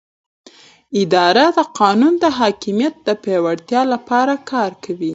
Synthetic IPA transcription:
ɪd̪ɑɾad̪əqɑnund̪əɦɑkɪmijat̪̚d̪əpewaɽt̪jɑlapɑɾakʰɑɾkʰawi

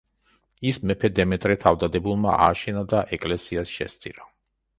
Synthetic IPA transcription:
ismɛpʰɛd̪ɛmɛt̪ʼɾɛt̪ʰavd̪ad̪ɛbulˠma̰a̰ːʃɛnad̪aʔɛkʼlɛsiasʃɛ̰st̪sʼḭɾa

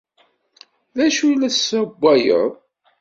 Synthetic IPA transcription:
ðæʃujlæsæbʷːæjə̰ðˤ

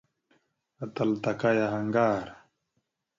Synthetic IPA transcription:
ɐt̪ɐlt̪ɐkɐjɐɦɐŋɡaːɾ

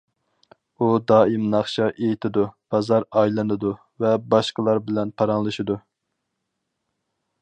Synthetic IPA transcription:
ud̪ɑːimnɑχʃɑʔejit̪ʰɪd̪ub̥ɑzɑɾɑjlˠɨnɨd̪u | vɛbɑʃqəlˠɑɾbɪlɛnpʰɑɾɑŋlˠɨʃid̪u

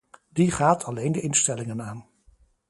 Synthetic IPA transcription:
diχaːtʰɑlejndəʔɪnstɛlɪŋənaːn

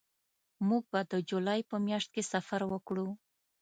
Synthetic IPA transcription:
muɡ̚bad̪əd͡ʒulajpəmjaʂt̪̚kesafaɾwəkɽu

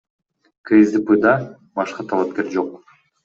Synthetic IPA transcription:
kʰezd̪ɨpɨd̪ɑ | bɑʃqɑt̪ʰɑlˠɑp̚kʲe̞ɾd͡ʒo̞q̚

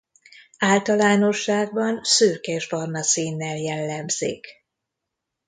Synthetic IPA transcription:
aːlt̪ɒlaːno̞ʃːaːɡ̚bɒnsøːkɛʒbɒrnɒsiːnːɛljɛlːɛmz̥ḭk

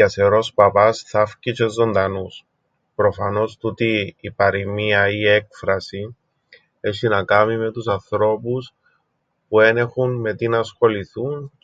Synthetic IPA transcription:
ɐseɾo̞spɐpɐsθɐfcit͡ʃe̞zːo̞nd̪ɐnus | pɾo̞fɐno̞st̪ut̪iːpɐɾimiɐie̞kfɾɐsi | e̞ɕinɐkɐmime̞t̪usɐnθɾo̞pus | pue̞ne̞xunme̞t̪inɐsxo̞liθun

